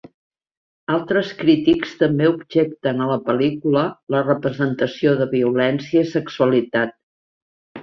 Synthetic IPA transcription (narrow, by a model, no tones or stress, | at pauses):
alˠt̪ɾəskɾit̪ikst̪əmbeubʒɛk̚t̪ənələpəlikulələrəpɾəzənt̪əsioðəβiulɛnsiəisəksuəlit̪at̪̚